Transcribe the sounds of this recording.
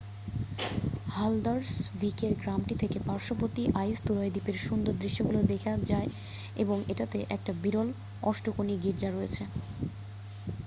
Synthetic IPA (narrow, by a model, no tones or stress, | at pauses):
hald̪aɾsvikeɾɡɾamʈit̪ʰekepaɾʃopot̪iʔajst̪uɾaed̪ipeɾʃund̪oɾd̪ɾiʃːoɡulod̪ekʰad͡ʑae | eboŋeʈat̪eʔɛk̚ʈabiɾol | ɔʃʈokoniɡiɾd͡ʑaɾoet͡ɕʰe